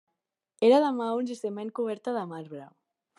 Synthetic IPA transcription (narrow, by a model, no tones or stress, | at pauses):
eɾaðamaunʒestemẽŋkuβ̞ɛɾt̪aðamaɾβɾa̰w